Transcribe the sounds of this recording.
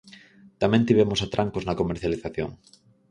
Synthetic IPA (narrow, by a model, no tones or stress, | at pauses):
t̪amẽnt̪iβ̞emosat̪ɾʔaŋkoznakomeɾθjaliθaθjo̰ŋ